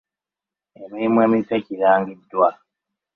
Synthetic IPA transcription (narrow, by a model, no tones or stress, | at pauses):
emiːmwemitweciɾaːŋɡidːwa